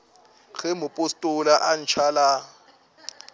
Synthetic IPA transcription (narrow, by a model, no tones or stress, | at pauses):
ɣɛmʊpʼʊstʼʊlaʔan̩t͡ʃʰala